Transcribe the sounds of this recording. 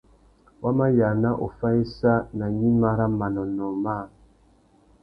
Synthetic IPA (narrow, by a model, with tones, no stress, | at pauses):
wa˦ma˦ja˨na˦ʔo˨fa˦e˦sa˦na˨ɲi˦ma˦ɾa˦ma˨nɔ˨nɔ˨ma˦˨